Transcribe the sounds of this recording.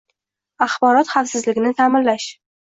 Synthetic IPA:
aχbɒɾɒt̪χafsɪzlɪɡʲɪnɪt̪ʰamɪnlaʃ

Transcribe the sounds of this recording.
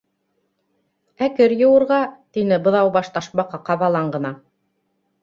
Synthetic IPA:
ækɘɾjɤ̆wɤ̆ɾʁɑt̪inɘbɤ̆ðɑwbɑʃt̪ɑʃmɑqɑqɑβɑlˠɑɴɢɤ̆nɑ

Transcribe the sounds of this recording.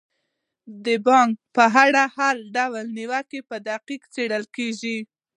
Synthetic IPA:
d̪əbɑŋk̚pəɦaɽahalɖawlniwakepəd̪aqikt͡seɽəlkeʒi

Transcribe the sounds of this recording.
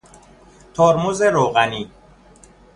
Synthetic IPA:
t̪ʰoːɾmozeɾoːɣæniː

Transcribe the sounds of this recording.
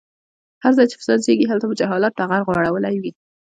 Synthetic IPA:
haɾzɑjt͡ʃe̥fɪ̥sɑnseɡiɦalt̪abəd͡ʒaɦɑlɑt̪̚t̪aɣaɾɣwɑɽawəlajwi

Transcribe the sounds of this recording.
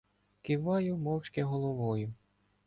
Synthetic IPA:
kɪʋɑjʊmɔwt͡ʃkɪɦɔlˠɔʋɔjʊ

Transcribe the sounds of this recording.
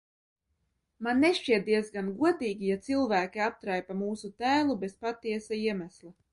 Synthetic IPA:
manːeʃt͡ʃiɛt̪̚d̪iɛzɡanɡuɔt̪iːɡʲijat̪silˠvæːkʲiap̚t̪ɾajpamuːsut̪æːlˠubespat̪ːiɛsaiɛmæslˠa

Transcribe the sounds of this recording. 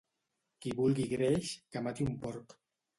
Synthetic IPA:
kibulɡiɡɾeʃkamat̪iumpoɾk

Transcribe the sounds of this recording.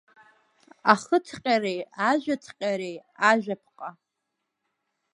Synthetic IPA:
aχətʰqʲʼarejaʒʷᶣatʰqʲʼaɾejaʒʷᶣapʰqʼa

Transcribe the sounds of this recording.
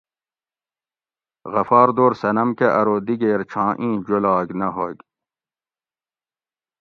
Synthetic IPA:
ɣɐfɑːɾd̪oːɾsɐnɐmkeʔɐɾoːd̪iɡeːɾt͡ɕʰãːʔĩːd͡ʑolɑːɡnɐɦoɡ

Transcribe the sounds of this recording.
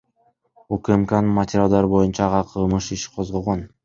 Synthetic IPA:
ukmkannmɐtʲɪɾʲalˠd̪ɑɾbo̞junt͡ʃɑʁɑqʰɯlˠmɯʃiʃqʰo̞zʁolˠʁon

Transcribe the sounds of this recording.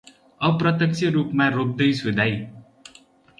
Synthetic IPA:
ʌprʌt̪jʌkt͡sʰʌɾupmaɾop̚d̪ʌjsud̪ʱaj

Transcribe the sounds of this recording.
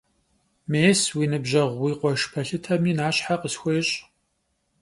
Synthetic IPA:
meːswiːnɨbʑɐʁʷwiːqʷɔʃpʰɐɬɨtʰɐmiːnaːɕħaqəsxʷeːɕʼ

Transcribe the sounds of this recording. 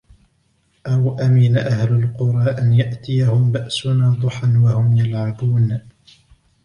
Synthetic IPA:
ʔawʔamɪnaʔahlʊlqʊɾˤɑːʔanjaʔt̪ɪjahʊmbaʔsʊnaːd̪ˤʊħanwahʊmjalʕabuːn

